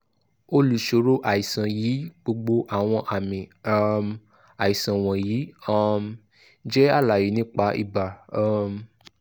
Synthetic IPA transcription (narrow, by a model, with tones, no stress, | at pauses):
o˧lu˨ʃo˨˦ɾo˦ʔa˨i˨sã˨jiː˨˦ɡ͡bo˧ɡ͡bo˧ʔa˦˨w̃ɔ̃˧ʔa˨mĩ˨˦m | a˨i˨sã˨w̃ɔ̃˨jiː˨˦a˦m | d͡ʒɛ˦a˦˨la˨ji˨˦nĩ˦k͡pa˧˦ḭ˦˨ba˨˦m